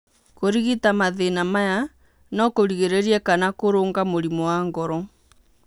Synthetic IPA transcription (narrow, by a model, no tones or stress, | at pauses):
koɾiɣitamaðenamaja | nɔkoɾiɣeɾeɾiɛkanakoɾoːŋɡamoɾimɔwaŋɡɔɾɔ